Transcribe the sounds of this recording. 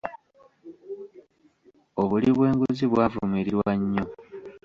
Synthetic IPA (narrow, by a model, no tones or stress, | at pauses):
o̞βuliβwe̞ːŋɡuziβwaːvumiɾiɾwaɲːo̞